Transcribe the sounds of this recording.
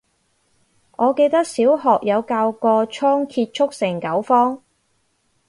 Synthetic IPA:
ʔɔː˨˧ke˧jt̪ɐ˥k̚siː˨˥wɦɔː˨k̚jɐ˨˧wkaː˧wkɔː˧t͡ʃʰɔː˥ŋkʰiː˧t̚t͡ʃʰʊ˥k̚sɪ˨˩ŋkɐ˨˥wfɔː˥ŋ

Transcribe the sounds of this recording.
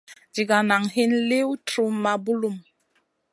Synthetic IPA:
d͡ʒi˨ɡa˨na˨ŋɦi˦nle˦wtɾu˦ma˨bu˦lu˦m

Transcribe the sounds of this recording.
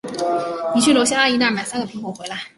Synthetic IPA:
ni˨˩t͡ɕʰy˥˩ljo˧˥ʊɕ̬ja˥a˥˩i˧˥na˥˩ma˨˩ɪsa˥nɡə˨˩pʰi˧˥ŋmu˨˩xwe˧ɪla˧˥ɪ

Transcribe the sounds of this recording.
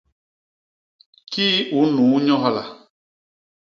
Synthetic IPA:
kiː˦u˨˦nu˨˦ɲɔ˦ɦa˦la̰˨

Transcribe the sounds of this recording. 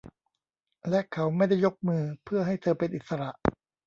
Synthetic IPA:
lɛ˦˥ʔkʰa˦˥wma˥˩jda˥˩jːo˦˥k̚mɯː˧pʰɯ˥˩ɐɦa˥˩jt̪ʰɤː˧pe˧nʔi˨˩t̪̚sa˧ɾa˨˩ʔ

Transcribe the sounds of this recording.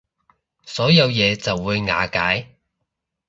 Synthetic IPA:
sɔː˨˥jɐ˨˧wjɛː˨˧t͡sɐ˨wːuː˨˧jŋa̰ː˨˧kaː˨˥j

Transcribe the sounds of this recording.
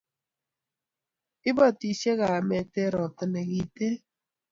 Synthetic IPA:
ɪ˦bɔ˦˨ti˨ʃe˦ɣa˨mɛ˨te˦ɾɔ˨tɪ˨nɛ˨ɣi˨te˦

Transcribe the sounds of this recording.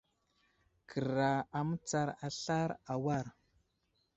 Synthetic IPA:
kʰə˨ɾa˨a˨mə˦t͡sa˦ɾa˨ɬa˦ɾa˨wa˦ɾ

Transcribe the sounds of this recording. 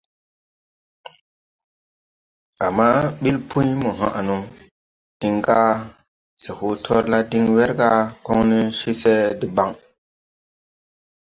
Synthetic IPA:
a˨mːa˦ɓi˦lpʰu˦jmo˨ɦã˦˨ʔa˨nu˨ | d̥i˦ŋɡa˦ | se˨hu˦tʰɔ˦ɾla˦di˦ŋwe˦ɾɡa˦ko˦ŋni˦ʃi˦se˦di˨ba˦ŋ

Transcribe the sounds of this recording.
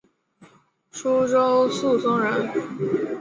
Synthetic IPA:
ʂu˥ʈ͡ʂo˥ʊsu˥˩sʊ˥ŋɻə˧˥n

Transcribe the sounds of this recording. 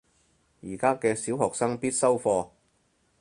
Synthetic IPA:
jiː˨˩kaː˥kɛː˧siː˨˥wɦɔː˨k̚sɐ˥ŋpiː˥t̚sɐ˥wfɔː˧

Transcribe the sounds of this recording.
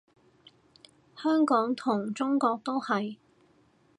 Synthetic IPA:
hœː˥ŋkɔː˨˥ŋt̪ʰʊ˨˩ŋt͡sʊ˥ŋkɔː˧k̚t̪o˥whɐ˨j

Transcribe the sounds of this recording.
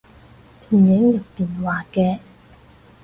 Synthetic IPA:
t͡si˨˩ŋjɪ˨˥ŋjɐ˨pːiː˨nwaː˨kɛː˧

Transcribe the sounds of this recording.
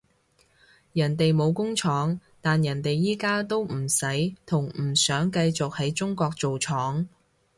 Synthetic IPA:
jɐ˨˩nt̪e˨jmo˨˧wkʊ˥ŋt͡ʃʰɔː˨˥ŋt̪aː˨njɐ˨˩nt̪e˨jːiː˥kaː˥t̪o˥wm̩˨˩sɐ˨˥jt̪ʰʊ˨˩ŋm̩˨˩sœː˨˥ŋkɐ˧jt͡sʊ˨k̚hɐ˨˥jt͡sʊ˥ŋkʷɔː˧k̚t͡so˨wt͡ʃʰɔː˨˥ŋ

